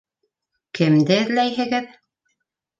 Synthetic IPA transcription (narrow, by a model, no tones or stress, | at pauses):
kɘ̆md̪ɘɘ̆ðlæjɦɘ̆ɡɘð